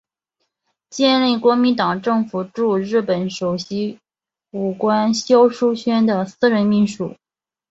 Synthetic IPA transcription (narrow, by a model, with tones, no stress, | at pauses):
t͡ɕjɛ˥˧nli˥˩kwɔ˧˥mi˧˥nt̪ɑ˨˩ŋʈ͡ʂɤ˥˩ŋfu˨˩ʈ͡ʂu˥˧ɻɻ̩˥˩pə˨˩nʂo˨˩ʊɕi˥ | u˨˩kwa˥nɕjo˥ʊʂu˥ɕɥɛ˥nd̪ə˨sɹ̩˥˧ɻə˧˥nmi˥˧nʂṵ˨˩˦